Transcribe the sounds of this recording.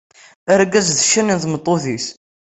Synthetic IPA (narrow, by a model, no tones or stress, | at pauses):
əɾɡæzðə̥ʃːæninθmət̪ˤːoθiθ